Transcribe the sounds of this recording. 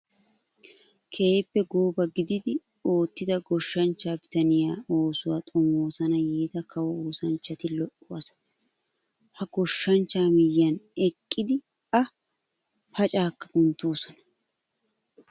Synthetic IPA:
kʰeːpːɛɡoːbɐɡɪd̪ɪd̪ɪ | o̞ːt̪ːɪd̪ɐɡɔʃːɐnt͡ʃːaːbɪt̪ɐnɪjaːo̞ːsʊwaːt̪ʼɔmoːsɐnɐjeːt̪ɐkɐwɐoːsɐnt͡ʃːɐt̪ɪlɔʔʊwasɐ̥ | hɐɡɔʃːɐnt͡ʃːaːmɪjɐnɛkʼːɪd̪ɪ | ɐ | pɐt͡ʃʼaːkːɐ̥ɡʊnt̪ːoːsɔnɐ̥

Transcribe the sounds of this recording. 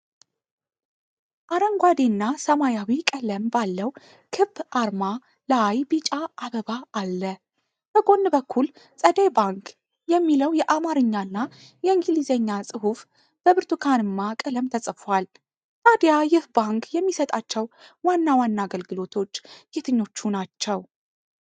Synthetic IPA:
ʔaɾəŋɡʷwad̪enːasəmajawikʼələmbalːəw | kʰɨbʔaɾma | laajbit͡ʃʼaʔaβəbaːlːə | b̥əɡo̞nːbəkʰːul | sʼəd̪ejbaŋk | jɛmːiləwjɛʔamaɾɨɲːanːa | jɛɨŋɡɨlizəɲːasʼɨhuf | b̥əβɨɾt̪ʰukʰanɨmːakʼɨləmt̪ʰəsʼəfal | t̪ʰʼad̪jajɪhbaŋkjɛmːisət̪ʼat͡ʃːɛwwanːawanːaːɡəlɡɨlo̞t̪ʰo̞t͡ʃːɡ̥et̪ʰɨɲːo̞t͡ʃːunat͡ʃːɛw

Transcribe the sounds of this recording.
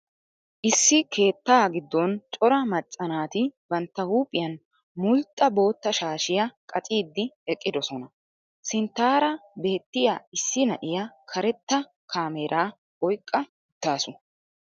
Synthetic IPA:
ʔɪsːɪkʰe̞ːt̪ːaːɡɪd̪ːɔnt͡ʃʼɔɾɐmɐt͡sʼːɐnaːt̪ɪbɐnt̪ːɐhuːpʼːɪjɐn | mʊlt̪ʼːɐbo̞ːt̪ːɐʃaːʃɪjɐkʼɐt͡sʼiːd̪ːɪɛkʼːɪd̪ɔsɔnɐ | sɪnt̪ːaːɾɐbe̞ːt̪ːɪjaːɪsːɪnɐʔɪjɐkʰɐɾɛt̪ːɐ | kʰaːmeːɾʔaː | ɔjkʼːɐ | ʊt̪ːaːsʊ

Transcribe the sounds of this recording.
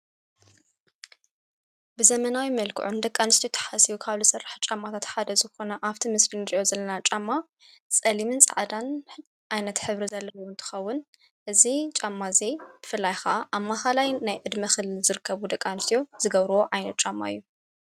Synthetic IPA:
bɨzɐmɐnawimɐlkʰɨ̰ʕund̪ɐkʼːanɨst̪ʰjot̪ʰɐ̥ħasiβukʰaβlɨsɐrːaħt͡ʃʼamːat̪ʰat̪ħad̪ɐzɨxo̞nɐʔaβt̪ʰimɨslinɨɾiʔo̞zɐlːɐnat͡ʃʼamːa | sʼɐlimɨnt͡sʼɐ̰ʕd̪an | ʔajnɐt̪ħɨβɾizɐlːɐwɐwnt̪ʰɨ̥xɐwːʊn | ʔɨzit͡ʃʼamːazeb̥ɨfɨlːajxɐʔaʔamːaxalajnajʕɨd̪mɐxɨlɨlzɨɾɨkʰːɐβud̪ɐkʼːanɨst̪ʰjoz̥ɨɡɐβɾɐwoʕajnɐt̪̚t͡ʃʼamːa̰ɨjːu

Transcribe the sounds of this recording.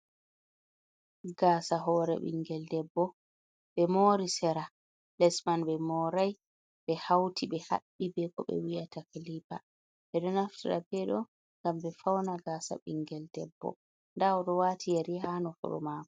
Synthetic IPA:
ɡaːsaɦɔɾɛ̰ɓḭŋɡɛldɛbːɔ | ɓɛmɔɾisɛɾa | lɛsmanɓɛmɔɾaj | ɓɛhawtʰiɓɛha̰ɓːibɛkɔɓɛ̰wijatakilipa | ɓɛɗɔnaftiɾa̰bɛɗɔ | ŋɡambɛfawnaɡasa̰ɓiŋɡɛldɛbːɔ̰ | ndaɔɗɔwaːtʰijaɾiɦanɔfṵɗɔ̰maːkɔ̥

